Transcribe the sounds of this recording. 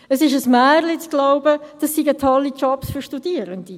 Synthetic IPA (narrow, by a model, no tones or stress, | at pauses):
əsɪʃəsmæːʁlit͡sɡ̥laʊbəd̥ɑsːiɡət̪ʰɔlːit͡ʃɔbsfyɾʃtudiəɾənd̥̪i